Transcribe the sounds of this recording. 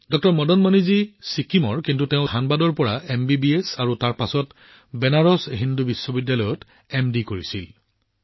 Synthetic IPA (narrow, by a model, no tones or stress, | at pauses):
dɔk̚tɔɹmɔdɔnmanizisikimɔɹkintuteʊ̃hanbadɔɹpɔɹaembibiesaɹutaɹpasɔt | bɛnaɹɔsɦindubisːɔbidjalɔjɔt | ɛmdikoɹisil